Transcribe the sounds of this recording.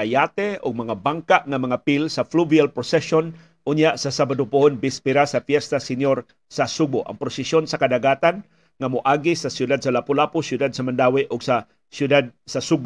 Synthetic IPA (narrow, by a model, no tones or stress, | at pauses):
ajat̪ɛʊɡ̚mɐŋabaŋkaʔŋamaŋapilsafluvialpɾosɛson | ʔʊnjaʔsasabad̪ʊpʊʔonbɪspɪɾasafjɛst̪asɪnjoɾ | sasuɡ̚bʊʔa̰ŋpɾosɛsjonsakad̪aɡaːt̪an | ŋamʊʔaːɡisasjʊd̪ad̪̚salapʊlapʊsjʊd̪ad̪̚samand̪awɪʔʔʊɡsa | sjʊd̪ad̪̚sasuɡb